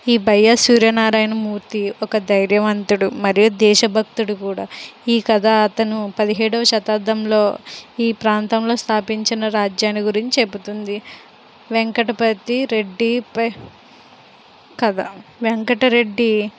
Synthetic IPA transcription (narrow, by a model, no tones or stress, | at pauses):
iːbʱɐjːɐsuːɾjɐnaːɾaːjnɐmuːɾt̪iɔkɐd̪ɐjɾjɐʋɐnt̪uɽumɐɾijud̪ɛːʃɐbʱɐk̚t̪uɽukuːɽaːiːkɐd̪aːt̪ɐnupɐd̪iɦɛːɽɐʋɐʃɐt̪aːd̪ɐmlo̞ːiːpɾaːnt̪ɐmlo̞ːst̪ʰaːpiɲt͡ʃinɐɾaːd͡ʒjaːniɡuɾiɲt͡ʃieput̪und̪i | ʋeŋkɐʈɐpɐt̪ːiɾe̞ɖːipɐ | kɐd̪aʋeŋkɐʈɐɾe̞ɖːi